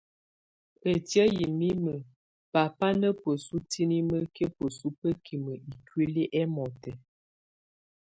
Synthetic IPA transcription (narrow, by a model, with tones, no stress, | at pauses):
ə˨tjə˦ji˨mi˦mə˨ | pa˨pa˦nə˦pə˨su˦tʰi˦ni˦mə˦ke˦pə˨su˦pə˦kʰi˨mə˨i˨kwe˦li˦ʔɛ˦mɔ˨tɛ˨